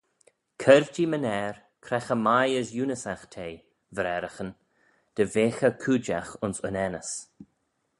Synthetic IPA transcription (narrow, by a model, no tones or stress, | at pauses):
kʰɛɾvt͡ʃimənɛːɾ | kʰɾɛxəmajəsjuːnəsaxt̪ʰeː | vəɾɛɾəxən | d̪̥əveːxəkʰuːd͡ʒaxʊnsʊnɛnəs